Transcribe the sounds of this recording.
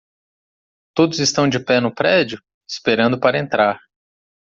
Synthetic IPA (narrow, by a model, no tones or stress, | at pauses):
t̪od̪ʊzɪst̪ɐ̃w̃d͡ʒɪpɛnʊpɾɛd͡ʒʊ | ɪspeɾɐ̃nd̪ʊpaɾɐẽnt̪ɾaɾ